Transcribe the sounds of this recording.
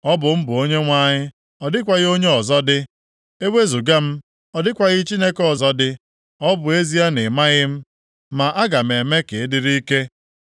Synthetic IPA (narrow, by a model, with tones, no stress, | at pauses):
ɔ˦bʊ˨m̩˦bʊ˨o˦ɲe˦ŋʷa˦ɲɪ˦ | ɔ˨dɪ˦kʷa˨ɣɪ˦o˦ɲe˦ɔ˨zɔ˦dɪ˦ | e˦we˦zu˨ɡa˦m̩˦ | ɔ˨dɪ˦kʷa˨ɣɪ˦t͡ʃi˦ne˦kɔ˨zɔ˦dɪ˦ | ɔ˦bʊ˨e˦zi˦a˦ne˨ma˦ɣɪ˦m̩˦ | ma˨ʔa˦ɡa˨m̩e˨me˦ke˨˦dɪ˦ɾi˦ke˦